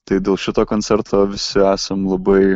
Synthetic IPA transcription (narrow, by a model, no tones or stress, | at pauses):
t̪ɐɪdʲeːlˠʃʲɪt̪oːkoːnʲsʲɛɾt̪oːʋʲɪsʲɪæːsɐmlˠɐbɐɪ